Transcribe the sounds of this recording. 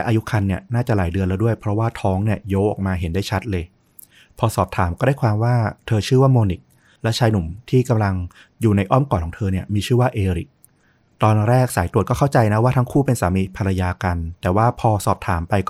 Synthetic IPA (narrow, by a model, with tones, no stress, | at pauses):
lɛ˦˥ʔaː˧ju˦˥kʰa˧nːi˥˩ɐnaː˥˩t͡ɕa˨˩laː˩˦jdɯ˧ənlaː˧˦˥wdu˥˩əjpʰɾɔ˦˥waː˥˩t̪ʰɔː˦˥ŋni˥˩əjoː˦˥ʔɔ̰ː˨˩k̚maː˧ɦe˩˦ndaː˥˩jt͡ɕʰa˦˥t̪̚lɤː˧j | pʰɔː˧sɔː˨˩p̚t̪ʰaː˩˦mkɔː˥˩daː˥˩kʰwaː˧mwaː˥˩t̪ʰɤː˧t͡ɕʰɯː˥˩waː˥˩moː˧ni˨˩k̚ | lɛ˦˥t͡ɕʰaː˧jnu˨˩˦mt̪ʰiː˥˩ka˧mla˧ŋ | juː˨˩na˧jʔɔ˥˩mkɔː˨˩kʰɔ˨˩˦t̪ʰɤː˧ni˥˩ɐmiː˧t͡ɕʰɯː˥˩waː˥˩ʔeː˧ɾi˨˩k̚ | t̪ɔː˧nɾɛː˥˩k̚saː˩˦jt̪ɾu˨˩ət̪̚kɔː˥˩a˥˩wt͡ɕa˧jna˦˥waː˥˩t̪ʰa˦˥ŋkʰuː˥˩pe˧nsaː˨˩˦mi˧˥pʰa˧ɾa˧jaː˧ka˧nt̪ɛː˨˩waː˥˩pʰɔː˧sɔː˨˩p̚t̪ʰaː˩˦mpa˧jkː